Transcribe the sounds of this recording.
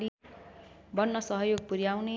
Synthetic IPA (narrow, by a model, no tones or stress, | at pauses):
i | bʌnːʌsʌɦʌjoɡ̚puɾjawne